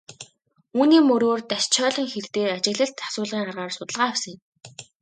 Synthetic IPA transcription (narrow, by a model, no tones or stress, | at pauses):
uːniːmɵɾoːrt̪æʃt͡ɕʰœːɮɞ̆ŋxert̪eːat͡ɕɪ̆ɣɮə̆ɬt̪ʰːḁsʊːɮʁiːɴɢarʁaːrsʊt̪ə̆ɮʁaːɪwsə̆ŋɪ̆m